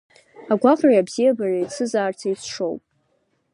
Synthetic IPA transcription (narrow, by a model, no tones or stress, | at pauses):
aɡʷaqʼriabzijabarait͡sʰɨzaːrt͡sʰait͡sʰʂo̞̰wpʼ